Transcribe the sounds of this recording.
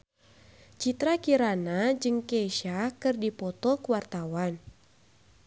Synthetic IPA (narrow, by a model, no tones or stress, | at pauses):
t͡ʃit̪ɾakiɾanad͡ʒɨŋkeʃakɨrdipɔt̪ɔkuwart̪awan